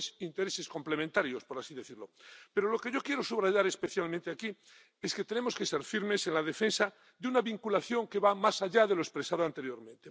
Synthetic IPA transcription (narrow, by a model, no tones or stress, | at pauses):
sint̪eɾesesko̞mplemẽnt̪aɾjospo̞ɾasiðe̞θiɾlo̞pe̞ɾolo̞keʝo̞kje̞ɾosuβɾaʝaɾe̞speθjalmẽnt̪eaki | esket̪enemoskeseɾfiɾmesenlað̞efensa | ðeunaβiŋkulaθjo̞ŋkeβamasaʎað̞eloespɾesað̞oant̪e̞ɾjoɾmẽnt̪e